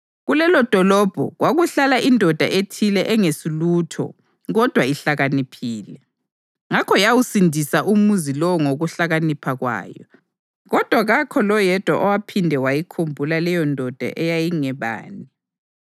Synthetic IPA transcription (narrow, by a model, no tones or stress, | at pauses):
ɣulɛlɔd̥ʱɔlɔb̥ʱɔ̰ɣwaɣuɬalaʔindʱɔd̥ʱa̰ʔetʰilɛʔɛŋesiluːtʰɔ̰ | ɣɔd̥ʱwaiɬaɣanipʰiːlɛ | ŋakʰɔjawusindʱisaʔumuzilɔŋoɣuɬaɣanipʰaɣwa̰ːjɔ̰ | ɣɔd̥ʱwaɣakʰɔlɔjɛd̥ʱwa̰ʔɔwapʰindʱɛwajikʰombʱulalɛjɔndʱɔd̥ʱa̰ʔɛjajiŋɛβa̰ːni